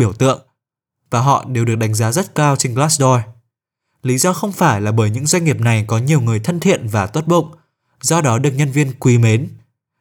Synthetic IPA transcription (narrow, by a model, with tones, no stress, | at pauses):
i˧˩əwt̪ɨ̰˧˨əŋ | vaː˨˩ɦɔ̰˧˨ɗe˨˩wɨ˨˩ək̚ɗa˨˦jŋ̟zaː˨˦zə˦˥t̚kaː˧wt͡ɕe˧nklaː˦˥sɗɔ˧j | li˨˦zɔ˧xə˧wŋ͡mfaː˧˩jlaː˨˩ɓəː˧˩jɲɨ̰˧˥ŋzwa˧ŋ̟ŋi˨˩əp̚na˨˩jkɔ˨˦ɲi˨˩əwŋɨ˨˩əjt̪ʰə˧nt̪ʰḭ˧˨ənvaː˨˩t̪wə˦˥t̚ɓə̰˧˨wŋ͡m | zɔ˧ɗɔ˨˦ɗɨ˨˩ək̚ɲə˧nvi˧ənkwi˨˦me˨˦n